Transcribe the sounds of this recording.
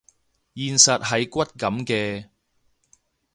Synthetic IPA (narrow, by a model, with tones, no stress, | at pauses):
jiː˨nsɐ˨t̚ɦɐ˨jkʷɐ˥t̚kɐ˨˥mkɛː˧